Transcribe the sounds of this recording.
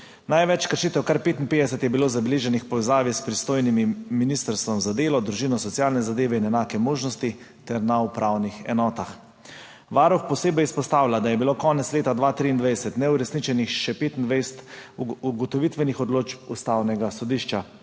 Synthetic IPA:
najʋɛt͡ʃkəɾʃiːt̪ɛwkaɾpeːt̪inpeːd̪ɛsɛt̪jɛbiloːzabɛliːʒɛnixpɔʋɛzaːʋispɾist̪oːjnimiminist̪əɾst̪ʋɔmzad̪eːlɔd̪ɾuʒiːnɔsɔt̪sjaːlnɛzad̪eːʋɛinɛnaːkɛmoːʒnɔst̪i | t̪ɛɾnaupɾʔawnixɛ̰nɔːt̪ax | ʋaːɾuxpɔseːbɛjispɔst̪aːwlʲad̪ajɛbilokɔːnɛt̪sleːt̪ad̪ʋaːt̪ɾiːnd̪ʋɛjɛsɛt̪nɛuɾɛsnit͡ʃɛnixʃɛpeːt̪ind̪ʋɛjsɛt̪uɡɔt̪ɔʋit̪ʋɛnixɔd̪loːt͡ʃpust̪awnɛɡasɔd̪iʃt͡ʃa

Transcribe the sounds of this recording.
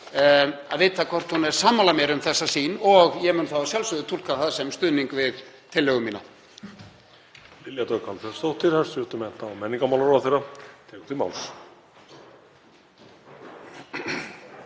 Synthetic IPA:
a̰ðveːjt̪ʰakʰvɔr̥t̪hunɛɾ̥saːmːalamjɛɾʏmθɛsːasiːnɔɣjɛmɪnθawasjalsʏðʏt̪ʰul̥kaθaðsɛmst̪ʏːðniŋkvɪðt̪ʰɪlːɛːɣʏmiːna̰ | lɪljat̪œkʰalθɛɾst̪owht̪ɪɾ̥haɾsʏt̪ʏmɛn̥t̪naɔmɛnːiŋkamawlaɾawθerat̪ʰɛːkʏ̥t̪ima̰wls

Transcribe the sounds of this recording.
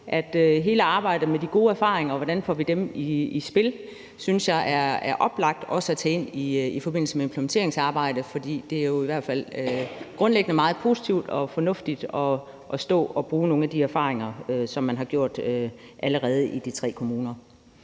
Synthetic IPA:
ʔæd̥øɦe̝ːləɑ̈ːb̥ɑ̈ɪ̰d̥əmed̥iɡ̥o̝ːæɐfɑ̰̈ːʁeŋɐːʋɒɾ̥ænfɒʋid̥emiisb̥e̝l | synsjɑ̈ɪʔæɐæɐʔɒ̽b̥lɑ̈ɡ̥̚d̥ɒ̽səæt͡sʰɛːe̝n̰iifɒ̽b̥e̝n̰l̩səmeempʰləment͡sʰe̝ɐ̰e̝ŋsɑ̈ːb̥ɑ̈ɪ̰d̥əfɒ̽d̥ḭːd̥e̝æɐjo̝iʋæɐ̰d̥fæl̰øɡ̥ʁɔ̽nleɡ̥ənəmɑ̈ːð̩ˠpʰo̝ːsi̥t͡sʰiʊd̥ɒ̽fɒ̽nɔ̽fd̥id̥ɒ̽ː | sd̥ɔ̰̽ːɒ̽b̥ʁuːno̝ːn̩æd̥iæɐfɑ̰̈ːʁeŋɐøsɒ̽mːænɦɑ̈ɡ̥jo̝ɐ̰d̥øʔæləʁɛːð̞̩ˠʔid̥it͡sʰʁɛ̰ːkʰo̝muːnɐ

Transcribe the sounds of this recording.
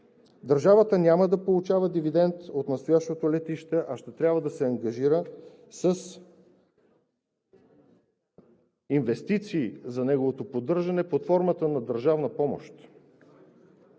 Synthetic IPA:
d̪əɾʒavət̪ənʲaməd̪ɐpolˠut͡ʃavəd̪ivid̪ɛnt̪ot̪nɐst̪ojaʃt̪ot̪olɛt̪iʃt̪ɛʔɐʃt̪ɛt̪ɾʲabvəd̪ɐsɛɐŋɡɐʒiɾə | səs | invɛst̪it̪siːzɐnɛɡovot̪opod̪ɤɾʒɐnɛpot̪fɔɾmət̪ənɐd̪əɾʒavnəpɔmo̰ʃt̪

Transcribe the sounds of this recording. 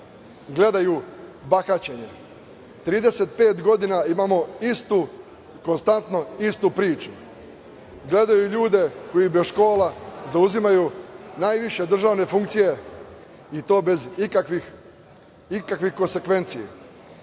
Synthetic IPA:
ɡle̞d̪ajubaxat͡ɕe̞ɲe̞ | t̪ɾiːd̪e̞se̞t̪̚pe̞ːt̪ɡo̞d̪inaimaːmo̞ist̪u | ko̞nst̪ant̪no̞ist̪upɾiːt͡ʃu | ɡle̞d̪ajuʎuːd̪e̞ko̞jibesʃko̞ːlazauzimajunaːjʋiʃe̞d̪r̩ʒaːʋne̞fuŋkt̪sije̞ | it̪o̞ːbe̞zkʋi | ikakʋixkonse̞kʋe̞nt̪sijḛ

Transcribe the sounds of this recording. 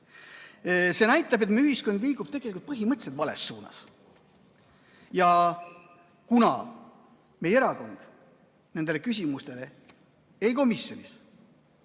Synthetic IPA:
se̞næjt̪ːˑɑb̥e̞t̪meyhiskond̪liːɡub̥̚t̪eɡelikult̪̚pɤɦimɤt̪se̞d̪̥vɑle̞̰sːuːnɑ̰s | jɑ | kunɑ̰ | me̞jeɾɑko̞nd̪̥ | ne̞nd̪e̞lekys̬ʲimust̪e̞le̞ | ejko̞misjo̞nis

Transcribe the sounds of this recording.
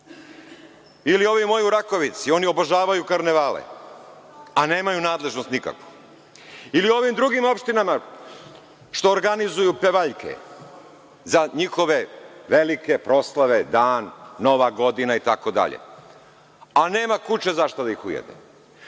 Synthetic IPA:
ilio̞ʋimo̞juɾako̞ʋit̪sio̞nio̞boʒaːʋajukaɾne̞ʋaːlḛ | ane̞ːmajunaːd̪le̞ʒnost̪nika̰kʋo̥ | ilio̞ʋimd̪ɾuɡimo̞pʃt̪inama | ʃt̪o̞ːɾɡanizujupeʋaʎkḛ | zaɲixo̞ʋe̞ʋe̞likepɾo̞slˠaʋe̞d̪aːnːo̞ʋaɡo̞d̪inait̪akod̪a̰ʎḛ | ane̞ːmakut͡ʃe̞zaʃt̪od̪aixujḛd̪ḛ

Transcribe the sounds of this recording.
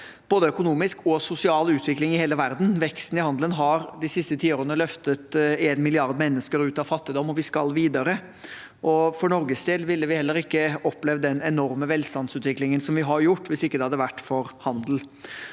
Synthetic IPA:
b̥oːd̪əœkʊnuːmɪskʰɔsʊsɪɑːlʉːt̪ʰʋɪklɪŋɪheːləʋæɾd̪n̩ʋɛkst̪n̩ɪhɑnd̪lənɦɑɾd̪ɪsɪst̪ət̪ʰiːoːɾənəlœft̪ət̪eːnmɪlɪɑɾd̪mɛnːəskəɾʉːt̪ɑʋfɑt̪ːɪd̪ɔmːɔʋɪskɑ̰lʋiːd̪əɾə | ʔɔfɔɳɔɾɡəst̪eːlʋɪlːəʋɪhɛlːəɾɪkːəɔpːlɛʋd̪ɛnɛnɔɾməʋɛlst̪ɑnsʉːt̪ʋɪklɪŋənsɔmʋɪɦɑɾjʊʈːʋɪsɪkːəd̪ɛhɑd̪ːəʋæʈːfɔɾhɑnd̪l̩

